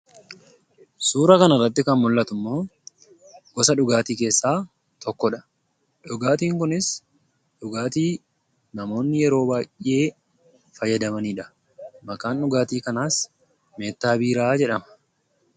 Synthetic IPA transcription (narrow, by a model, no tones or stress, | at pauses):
suːɾɐkɐnɐrːɐt̪ːɪkɐnmʊlːɐt̪ʊmːo̞ː | ɡɔsɐᶑʊɡaːt̪iːke̞ːsːaː | t̪ʰɔkːɔᶑɐ | ᶑʊɡaːt̪iːŋkʊnɪs | ᶑʊɡaːt̪iː | nɐmo̞ːnːɪjɛɾo̞ːbaːjʔʔe̞ː | fɐjɐd̪ɐmɐniːᶑɐ̥ | mɐkʼaːnᶑʊɡaːt̪iːkɐnaːs | me̞ːt̪ːaːbiːɾaːd͡ʒɛᶑɐmɐ̥